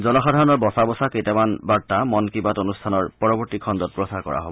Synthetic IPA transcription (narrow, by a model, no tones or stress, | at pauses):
zɔnɔxadʱaɹɔnɔɹbɔsabɔsaketɛmanbaɹtamɔnkibatonustʰanɔɹpɔɹɔbɔɹtikʰɔndɔt̚pɹosakɔ̰ɹa̰ɦo̰bɔ